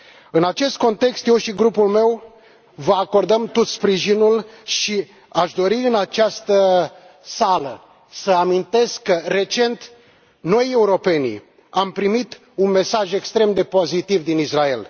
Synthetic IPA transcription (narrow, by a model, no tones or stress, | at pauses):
ɨnat͡ʃe̞st̪̚ko̞nt̪e̞kst̪je̞wʃiɡɾupulme̞w | vəako̞rd̪əmt̪ot̪spɾiʒinulʃi | aʃd̪o̞ɾiɨnat͡ʃast̪ə | salə | səamint̪e̞skːəre̞t͡ʃe̞nt̪ | no̞je̞uɾo̞pe̞nḭ | ampɾimit̪ | unme̞saʒe̞kst̪ɾe̞md̪e̞po̞zit̪ivd̪inisrae̞̰l